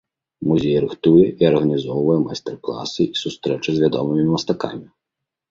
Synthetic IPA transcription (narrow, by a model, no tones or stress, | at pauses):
muzʲejɾɨxt̪ujɛʔiɐrɣɐnʲizɔwvɐjɛma̰jst̪ɛrklˠa̰sɨʔisust̪ɾɛt͡ʂɨzʲvʲad̪ɔ̰mɨmʲiimɐst̪aka̰mʲi